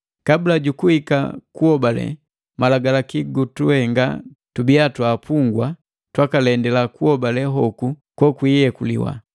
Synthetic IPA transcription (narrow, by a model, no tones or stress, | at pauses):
kabulaɟukuhika̰kuɔbalɛ̰ | malaɡalakiɡutuhɛŋɡa̰ | tubiatwaːpuŋɡwa | twakalɛndɛlakuɔbalɛɦɔkukwɔkwijɛkulḭwa̰